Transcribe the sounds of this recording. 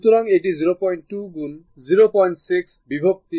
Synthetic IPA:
t̪uɾaŋeʈiziɾopɔjɳʈʈuɡun | ziɾopɔjɳʈsiksbibʱok̚t̪i

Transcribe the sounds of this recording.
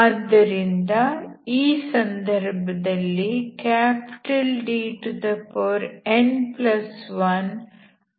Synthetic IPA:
ɐd̪ːɐɾind̪ɐiːsɐnd̪ɐɾbʱɐd̪ɐlːikaːpi̥ʈɐlɖiːʈud̪ɐpoːɾenplɐsʋɐn

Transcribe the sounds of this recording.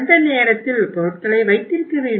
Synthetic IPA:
nd̪ɐneːɾɐt̪ːɪlpɔɾɯʈ̚kɐɭɐɪʋɐɪt̪ːɪɾɯkːɯʋeː

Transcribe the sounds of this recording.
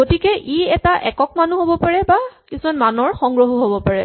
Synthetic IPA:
ɡotikɛʔʔiɛtaʔɛkɔk̚manuɦobɔpaɹɛbakisumanmanɔɹxɔŋɡɹoɦuɦobɔpaɹɛ

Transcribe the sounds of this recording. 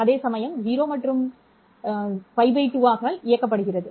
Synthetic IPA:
ɐðeːsɐmɐjɐmɦiːɾoːmɐʈːrɯm | pɐɪʋɐɪʈːuʋaːɣɐaːlɪjɐkːɐp̬ːɐɽɯɣɪrɐðɯ

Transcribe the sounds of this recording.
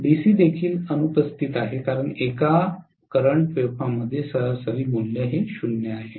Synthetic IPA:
bisiːd̪ekʰiːlənupəst̪iːt̪aɦekaɾəɳeka | kəɾəɳpepaməd̪ʱːjesəɾasəɾiːmulːjəɦeɕunjəaɦe

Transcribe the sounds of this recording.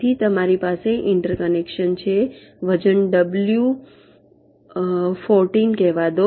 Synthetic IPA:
it̪əmaɾipaseʔɪɳʈəɾkənekʃənt͡ʃʰe | ʋəd͡ʒənɖəblju | foɾʈinkɛɦʋad̪o

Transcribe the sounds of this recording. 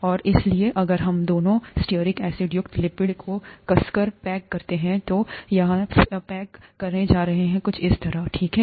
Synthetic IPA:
ɔːɾɪslieʔɐɡəɾɦɐmd̪oːnõsʈiəɾɪkɛːsɪɖjʊkt̪lɪpɪɖkʰokɐskəɾpɛːkːɐɾt̪eɦɛ̃t̪ojɐɦãpɛːkːɐɾned͡ʒaːɾɐɦeɦɛ̃kʊt͡ʃʰɪst̪ɐɾəʈʰiːkɦɛː

